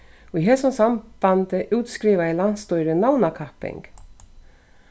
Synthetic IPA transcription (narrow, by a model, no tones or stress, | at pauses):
ɔiɦɛsɔnsamb̥ant̪əʔʉːt̪skɾiːʋaɛlan̥t̪st̪ɔʏɾənawnakʰapɪ̰ŋk